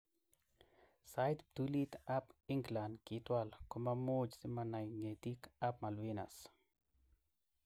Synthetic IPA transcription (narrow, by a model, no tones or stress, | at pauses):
sajt̪t̪ulit̪apɪŋɡlandkɪt̪walkomamod͡ʒsɪmanajŋet̪ikap̚malwina̰s